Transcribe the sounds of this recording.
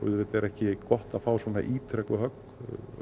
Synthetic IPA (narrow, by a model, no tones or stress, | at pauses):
ʏ̰ðɾɪt̪ɛɾɛhcɪkɔht̪aðfaːwsvɔːna̰ʔiːt̪ʰɾɛklʏɦœk